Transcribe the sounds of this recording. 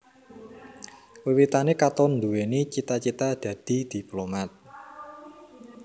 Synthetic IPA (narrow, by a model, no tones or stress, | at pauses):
wiwit̪anekat̪ɔnd̪uwenit͡ʃit̪at͡ʃit̪ad̪̥ä̤d̪̥i̤d̪̥i̤plomat̪̚